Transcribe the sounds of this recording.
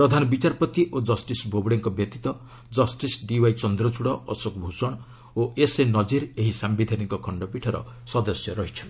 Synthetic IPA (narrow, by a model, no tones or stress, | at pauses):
pɾɔd̪ʱanɔbit͡ʃaɾpɔt̪iʔod͡ʒɔsʈisbʱobɽeŋkɔbjɔt̪it̪ɔ | d͡ʒɔsʈisɖiwajt͡ʃɔnd̪ɾɔt͡ʃuɽɔɔsokɔbʱusɔɽ̃ | oʔesenɔd͡ʒiɾeɦisambid̪ʱanikɔkʰɔɳɖɔpiʈʰɔɾɔ̰ | sɔd̪ɔsjɔɾɔɦit͡ʃʰɔn